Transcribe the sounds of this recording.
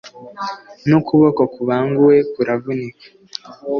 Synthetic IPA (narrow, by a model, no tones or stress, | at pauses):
nukuβokokuβaːŋɡuwe̞kuɾavunikḁ